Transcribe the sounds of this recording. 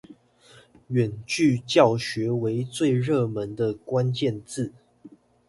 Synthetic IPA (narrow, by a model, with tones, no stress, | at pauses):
ɥɛ˨˩nt͡ɕy˥˨t͡ɕjɑ˥˨˩ʊɕɥɛ˧˥we˧˥ɪt͡swe˥˧ɪɻɤ˥˩mə˨˧˦nd̪ə˧kwa˦nt͡ɕjɛ˥˧nt͡sɹ̩˥˨